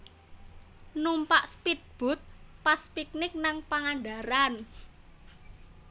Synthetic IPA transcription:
numpaʔspit̪̚b̥ʊ̤t̪̚paspik̚nɪk̚naŋpaŋaɳɖaɾan

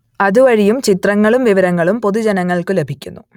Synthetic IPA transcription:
ɐðuʋɐɻijumt͡ɕit̪rɐŋːɐɭumʋiʋɐɾɐŋːɐɭumpo̞ðud͡ʑenɐŋːɐɭkɨle̞bʱikʲːunːu

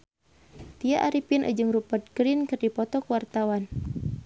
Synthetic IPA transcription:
t̪iaʔaɾipinʔa̰d͡ʒɨŋrupət̪̚ɡɾinkɨrdipɔt̪ɔkuwart̪awan

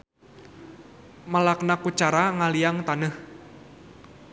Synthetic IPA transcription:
malaknakut͡ʃaɾaŋalijaŋt̪anəh

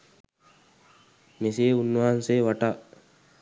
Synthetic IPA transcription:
mes̬eːunːuaːnseʋaʈa

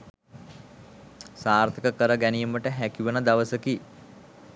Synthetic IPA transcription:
saːrt̪ʰəkəkəɾəɡænijiməʈəɦækiʋənəd̪aʋəsəki

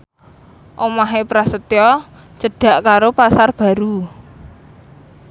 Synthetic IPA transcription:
ʔomaɦepɾasət̪jɔ | t͡ʃəɖ̥a̤ʔkaɾopasarb̥a̤ɾu

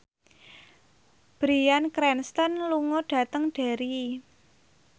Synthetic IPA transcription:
b̥ɾiankɾɛnst̪ɔnluŋɔɖ̥ä̤t̪əŋɖ̥a̤ɾi

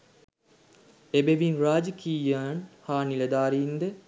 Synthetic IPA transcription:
ebeʋinraːd͡ʒəkiːjaːnhaːnilɐd̪aːɾiːnd̪ə

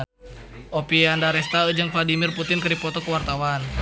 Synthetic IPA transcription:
ʔopiandaɾɛst̪aəd͡ʒəŋfladimirput̪ɪnkərɾdipɔt̪ɔkəwart̪awan

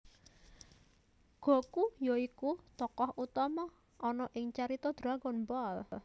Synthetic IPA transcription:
ɡ̥ɔ̤kujɔikut̪ɔkɔɦʔut̪ɔmɔ | ʔːnɔʔɪŋt͡ʃaɾit̪ɔd̪̥ɾaɡɔnmbɔl

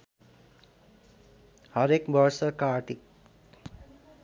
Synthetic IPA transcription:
hʌɾekbʌɾsʌkaɾʈik

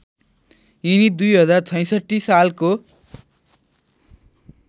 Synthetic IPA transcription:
inid̪ujɦʌd͡zart͡sʰʌj̃sʌʈːisalko

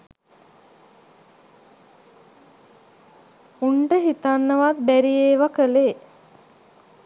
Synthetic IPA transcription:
uɳɖəɦit̪anːəʋat̪̚bæɾieːʋakəle

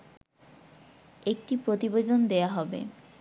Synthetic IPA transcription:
ek̚ʈipɾot̪ibed̪ond̪eaɦɔbḛ

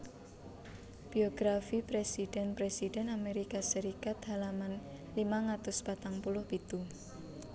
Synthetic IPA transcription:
b̥iɔɡ̥ɾafipɾesiɖ̥ɛnpɾesidɛnameɾikasəɾikat̪halaman | limaŋat̪ʊspat̪aŋpulʊhpit̪u

